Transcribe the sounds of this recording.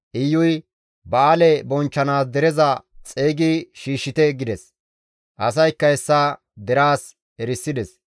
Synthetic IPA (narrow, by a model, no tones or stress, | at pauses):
ʔɪjːʊj | bɐaːlɛbɔnt͡ʃːɐnaːsd̪ɛɾɛzɐt͡sʼeːɡɪʃiːʃːɪt̪ɛɡɪd̪ɛs | ʔɐsɐjkːɐɛsːa | d̪ɛɾaːs | ɛɾɪsːɪd̪ɛs